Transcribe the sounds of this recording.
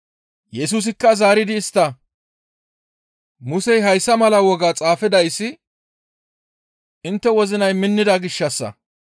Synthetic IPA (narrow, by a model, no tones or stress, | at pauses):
jɛs̬uːs̬ɪkːɐzaːɾɪd̪ɪːst̪ːɐ | mʊsɛjɦɐjsːɐmɐlɐwɔɡaːt͡sʼaːfɪd̪ɐjsːɪ | ʔɪnt̪ːɛwɔzɪnɐjmɪnːɪd̪ɐɡɪʃːɐsːɐ̰